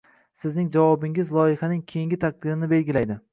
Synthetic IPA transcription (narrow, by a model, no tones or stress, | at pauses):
sɪznɪŋd͡ʒavɒbɪŋɪzlˠɒjɪhanɪŋkʲʰejiŋɡʲɪt̪ʰaq̚d̪ɪɾɪnɪbe̞lɡʲɪlajd̪ɪ